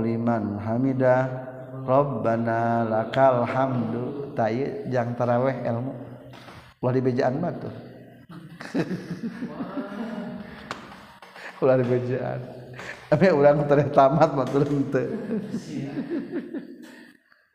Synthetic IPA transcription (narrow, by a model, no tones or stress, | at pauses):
limanlɦamidah | kɾɔbbanalakalhamdut̪ajəd͡ʒaŋt̪aɾawɛɦɛ̰lmu | ulahdibed͡ʒaʔanmat̪u | ulahdibed͡ʒaʔa̰nameuɾaŋt̪aɾɛht̪amat̪̚mat̪uɾant̪ə